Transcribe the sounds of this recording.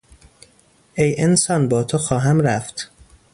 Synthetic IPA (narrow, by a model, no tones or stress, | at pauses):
ʔejensɒːnbɒːt̪ʰoxɒːɦæmɾæft̪